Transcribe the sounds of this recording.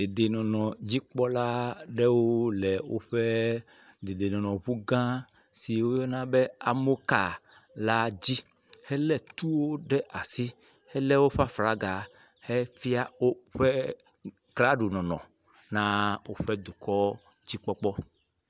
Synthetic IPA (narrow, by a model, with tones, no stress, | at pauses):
d̪e˨d̪e˨nɔ̃˨nɔ̃˨d͡ʑi˦k͡pɔ˦la˦ɖɛ˦wo˦lɛ˨wo̰˦ɸɛ˦ | d̪e˨d̪e˨nɔ̃˨nɔ̃˨βu˦ɡã˦ | si˨wo˦jɔ˦nã˦bɛ˦a˨mo˦ka˨ | la˦d͡ʑi˦ | hɛ˦lɛ˦t̪u˦wo˦ɖɛ˦ʔa˨si˦ | hɛ˦lɛ˦wo˦ɸa˦fɾa˦ɡa˨ | hɛ˦fi˦a˦wo˦ɸɛ˦ | kla˦ɖu˨nɔ̃˨nɔ̰̃˨ | nã˦wo˦ɸɛ˦d̪u˨kʰɔ˦ | d͡ʑi˦k͡pɔ˦k͡pɔ˦